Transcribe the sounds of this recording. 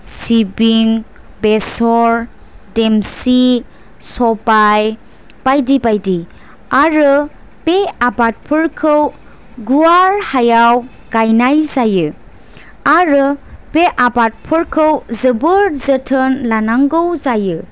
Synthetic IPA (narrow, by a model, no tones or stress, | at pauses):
sibiŋ | besɔɾ | demsi | sɔbaj | b̥ajdibajdi | aɾɯ | peabat̚pʰɯɾkʰɯw | ɡuaɾhajaw | kajnajzajɯ | aɾɯpeʔabat̚pʰɯɾkʰɯwzɯbɯɾzətʰɯnlanaŋɡɯwzajɯ